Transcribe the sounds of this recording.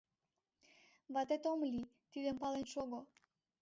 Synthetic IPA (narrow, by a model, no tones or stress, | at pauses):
vɑt̪et̪omli | t̪id̪empɑlenʃoɡo